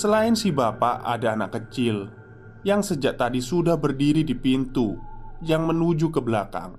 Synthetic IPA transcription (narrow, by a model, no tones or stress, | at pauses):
səlaɪnsibapa̰ʔa̰daːnakːət͡ʃɪl | jaŋsəd͡ʒaʔt̪adisudahbərdiɾidipint̪ujaŋmənud͡ʒukəbəlaka̰ŋ